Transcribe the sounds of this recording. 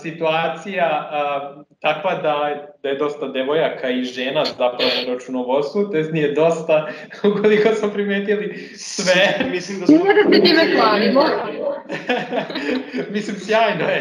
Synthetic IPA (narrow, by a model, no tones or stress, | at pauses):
sit̪uaːt̪sija | t̪akʋad̪ad̪aje̞d̪o̞st̪ad̪eʋojakʰaiʒeːnazapɾaʋoɾat͡ʃunoʋoɾst̪ʋut̪eznijed̪o̞st̪a | ukolikosmopɾimeːt̪ili | sʋemislimnmodasit̪imeɡlaːlimo | mislimsjaːjnoe